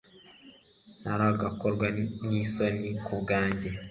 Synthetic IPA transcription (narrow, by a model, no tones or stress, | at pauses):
naɾaɡakoɾɡwaninisonikuβɡaːɲɟe